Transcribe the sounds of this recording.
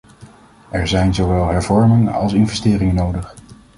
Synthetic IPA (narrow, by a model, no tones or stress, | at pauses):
ʔɛɹzɛjnzowʋɛlˠɦɛɹvɔɹmɪŋəɑ̰lˠsɪnvɛstɪːrɪŋənowdəχ